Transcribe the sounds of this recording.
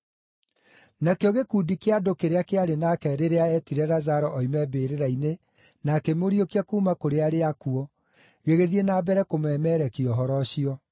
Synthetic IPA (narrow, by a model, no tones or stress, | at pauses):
nakeɔɣekuːdikeadokeɾeakeaɾenakɛɾeɾeaɛtiɾɛɾazaɾɔʔɔimɛbeɾeɾaine | nakemoɾiokiakuːmakoɾeaɾeakuɔ | ɣeɣeðienaːbɛɾɛkomwɛmɛɾɛkiɔɦɔɾɔʃiɔ